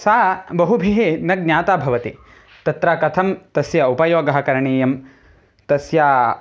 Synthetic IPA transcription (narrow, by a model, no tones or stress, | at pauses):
saːbɐɦubʱiɦeːnɐɡ̚njaːt̪aːbʱɐʋɐt̪ḛ | t̪ɐt̪ɾaːkɐt̪ʰɐmt̪ɐsjɐupɐjoːɡɐɦɐkɐɾɐɳeːjɐm | t̪ɐsjaː